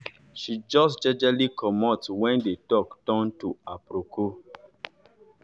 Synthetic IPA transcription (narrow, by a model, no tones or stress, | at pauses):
ʃid͡ʒɔsd͡ʒɛd͡ʒɛlikʰɔmɔtswɛ̃ndetɔktɔ̃ntuapɾoko